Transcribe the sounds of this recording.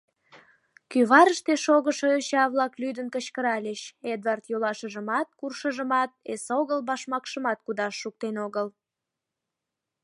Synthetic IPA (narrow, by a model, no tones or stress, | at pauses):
kyβɑɾəʃt̪eʃoɣəʃoøɕɑβlɑklyd̪ənkət͡ɕkəɾɑlʲeʃed̪vɑrt̪jolɑʃəʒəmɑt̪̚kurʃəʒəmɑt̪̚esoɣəlbɑʃmɑkʃəmɑt̪̚kud̪ɑʃːuk̚t̪enoɣəl